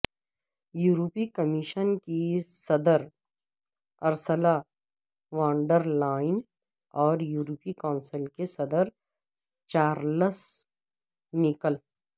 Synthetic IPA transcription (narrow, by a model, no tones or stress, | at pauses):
juːɾopikəmɪʃənkisɐd̪əɾ | ɐɾsəla | ʋãːɳɖəɾlaːɪn | ɔːɾjuːɾopikɔːnsəlkesɐd̪əɾ | t͡ʃaːɾləs | nɪkəl